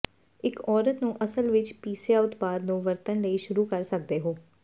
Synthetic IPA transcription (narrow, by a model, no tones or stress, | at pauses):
ɪkʰɔːɾət̪nũːʔəsəlʋɪt͡ʃpiːsjaːʊt̪paːd̪nũːʋəɾt̪ənləiːʃʊɾuːkəɾsək̚d̪eːɦoː